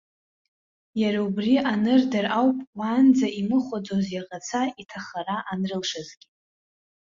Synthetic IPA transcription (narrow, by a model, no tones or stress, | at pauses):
jaɾaubriʔanɨrdarawpʼwand͡zaimɨχʷad͡zozjaqʼat͡sʰaitʰaχaɾaʔanrɨlʂazɡʲi